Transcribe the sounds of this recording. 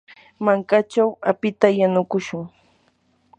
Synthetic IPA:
maŋkat͡ʃawapɪt̪ajanʊkʊʃʊŋ

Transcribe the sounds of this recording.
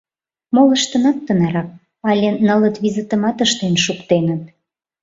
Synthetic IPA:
moləʃt̪ənɑt̪ːənɑɾɑk̚ | ɑlʲenələt̪βizət̪ə̆mɑt̪əʃt̪enʃukt̪enət̪̚

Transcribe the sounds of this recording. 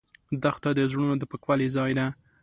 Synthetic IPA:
d̪axt̪ad̪əzɽunod̪əpəkwalizɑjd̪a

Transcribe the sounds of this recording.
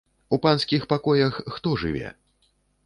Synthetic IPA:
upanskʲixpakɔjɐxːt̪ɔʐɨ̰vʲɛ̰

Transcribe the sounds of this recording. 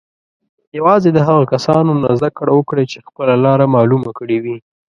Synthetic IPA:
jawɑzed̪əɦaɣakasɑnonazd̪akɽawəkɽat͡ʃexpəlalɑɾamɑlumakəɽewi

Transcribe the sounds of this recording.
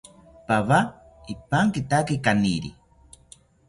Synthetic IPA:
paβa | ipaŋkit̪akikaniɾḭ

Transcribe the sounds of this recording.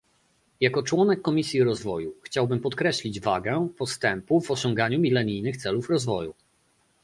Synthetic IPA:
jakɔt͡ʂwɔnɛkːɔmʲisʲjiɾɔzvɔjuxt͡ɕawbɘmpɔt̪kɾɛɕlʲid͡ʑvaɡɛpɔst̪ɛmpuvɔɕɔ̃ŋɡaɲumʲilɛɲijnɘxt̪sɛlufɾɔzvɔjṵ

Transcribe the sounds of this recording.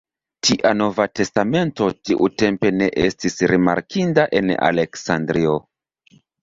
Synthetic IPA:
tiʔano̞vate̞stame̞nto̞tiʔute̞mpe̞ne̞ʔestisɾima̰ɾkʰindaʔe̞na̰le̞ksandɾio̞

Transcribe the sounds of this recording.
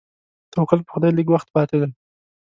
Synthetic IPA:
t̪owkal̚pə̥xʊd̪ɑjliɡwaxt̪̚pɑt̪ed̪a

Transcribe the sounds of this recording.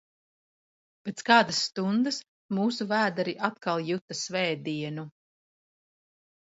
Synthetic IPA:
pet̪skaːd̪asːt̪und̪ɨs | muːsuvæːd̪aɾiʔat̪kalˠjut̪asvɛːd̪iɛnu

